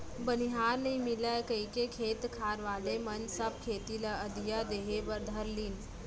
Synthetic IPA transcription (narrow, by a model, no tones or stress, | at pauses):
bɐniɦaːɾnɐɦĩmɪlakɐikekʰeːt̪kʰaːɾʋaːlemɐnd͡ʒsɐb̚kʰeːt̪ilaɐd̪ʱijad̪eːɦeʋɐɾd̪ʱɐɾliːn